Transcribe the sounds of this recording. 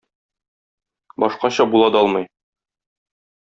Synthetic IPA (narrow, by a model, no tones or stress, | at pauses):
bɒʃqɑɕɑbulˠɑd̪ɒlˠmɤ̆j